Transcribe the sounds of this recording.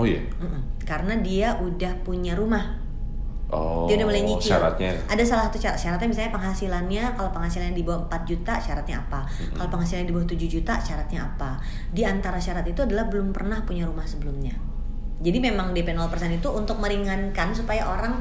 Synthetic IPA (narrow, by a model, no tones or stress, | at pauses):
oja̰ | m̩ʔm̩kaɾənadiaʔudahpuɲaɾumah | ʔo̰iaudahməlaɲikia̰ɾa̰t̪̚ɲa̰ʔadasalasat̪uʃaɾat̪ʃaɾat̪ɲabisalɲapəŋɦasilanɲakalopəŋɦasilanɲadibawaəmpat̪̚d͡ʒut̪aʃaɾat̪̚ɲaapa | kalopəŋɦhasilalɲadibawaht̪ud͡ʒud͡ʒut̪aʃaɾat̪̚ɲaːpa | diant̪aɾaʃaɾat̪it̪uadalahbəlʊmpərnahpuɲaɾumahsəbəlʊmɲa | d͡ʒadimemaŋdepɛnɔlpərsɛnit̪uʔːnt̪ʊk̚məɾiŋankansupajaʔoɾaŋ